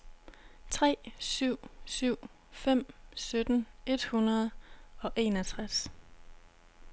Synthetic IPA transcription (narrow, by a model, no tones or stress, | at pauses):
t͡sʰʁɛ̰ːsyʊ̰syʊ̰ | fem̰sød̥n̩e̝d̥hunɐð̞ˠɒ̽ʔe̝næt͡sʰʁas